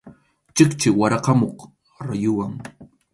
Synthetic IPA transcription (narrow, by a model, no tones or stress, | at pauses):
t͡ʃɪkt͡ʃɪwaɾɑqɑmoq | ɾajʊwaŋ